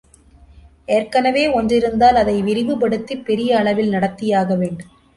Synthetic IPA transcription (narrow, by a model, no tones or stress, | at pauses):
eːrkɐnɐʋeːɔndrɪɾɯnd̪aːlɐðɐɪʋɪɾɪʋɯpɐɽɯt̪ːipːɛɾɪjɐːɭɐʋɪlnɐɽɐt̪ːɪjaːɣɐʋeːɳɖɯm